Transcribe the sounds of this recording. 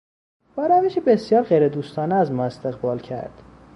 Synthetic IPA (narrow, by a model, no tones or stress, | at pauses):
b̥ɒːɾæveʃebesjɒːɾɣejɾed̪uːst̪ʰɒːneæzmɒːe̞st̪ʰe̞ɣbɒːlcʰæ̰ɾd̪̥